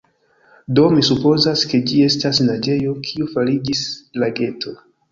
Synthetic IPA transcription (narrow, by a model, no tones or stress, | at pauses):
do̞misupo̞zaske̞d͡ʒie̞stasnad͡ʒe̞jo̞kʰiufaɾid͡ʒislaɡe̞tʰo̞